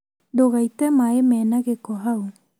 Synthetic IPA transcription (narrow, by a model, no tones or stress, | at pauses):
d̪oɣajt̪emaemenakekoɦaw